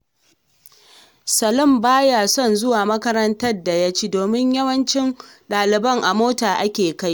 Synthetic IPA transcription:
sɐ˨lʊ˦˨mbaː˦ja˨sɔ˦˨nzʊ˦waː˨mɐ˦kɐ˦ɾɐ˦ntɐ˦rda˨jɐ˦t͡ʃiː˦doː˨mɪ˦ɲjɐ˦wɐ˦nt͡ʃɪ˦nɗaː˨lɪ˨bɐ˦ŋʔa˨moː˦taː˨ʔa˦kʲeː˨ka˦j

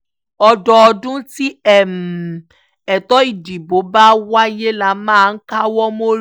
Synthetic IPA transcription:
ɔ˧dɔ˧ɔ˧dũ˦ti˦ɛ˦˨m˨ | ɛ˨tɔ˦i˦˨di˨bo˨˦ba˦wa˦je˦la˨˦mãː˦˨˧n̩˦ka˦wɔ˦mo˦

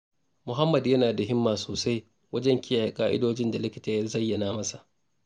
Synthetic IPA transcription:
mʊ˨ɦa˦mːɐ˨djɐ˦naː˨da˨ɦɪ˦mːaː˨soː˨sa˦j | wɐ˦d͡ʒɛ˦ŋkʲɪ˦jaː˨ja˨kʼaː˦ʔɪ̰˦doː˦d͡ʒɪ˦nda˨lɪ˦kʲɪ˦taː˨jɐ˦zɐ˦jːɐ˨naː˦mɐ˦sa˨ʔ

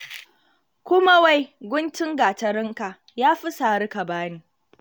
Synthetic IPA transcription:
kʷʊ˦ma˦wa˦jɡʷʊ˦nt͡ʃɪ˦ŋɡaː˨tɐ˨ɾɪ˦ŋka˨ʔ | jaː˦ɸɪ˦saː˨ɽɪ˦kɐ˨baː˦niː˨

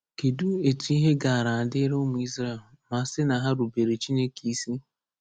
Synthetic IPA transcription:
ke˨du˦e˨tu˨i˦ɦe˦ɡa˨a˨ɾa˨a˨dɪ˦ɾo˦mʊ˨i˦zɾa˦˨l | ma˨˦sɪ˦na˨ɦa˦ɾu˨be˨ɾe˨t͡ʃi˦ne˦ki˦si˦

